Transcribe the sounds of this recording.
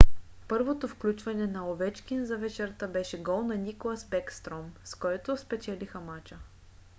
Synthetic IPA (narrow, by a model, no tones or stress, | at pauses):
pɤɾvot̪ofklʲut͡ʃvɐnɛnɐovɛt͡ʃkʲinzɐvɛt͡ʃɛɾt̪əbɛʃɛɡɔlˠnɐnikolˠasbɛkst̪ɾɔmskɔjɛt̪ospɛt͡ʃɛlixəmat͡ʃə